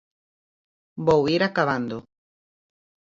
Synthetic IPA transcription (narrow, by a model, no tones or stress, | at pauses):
bowiɾakaβand̪o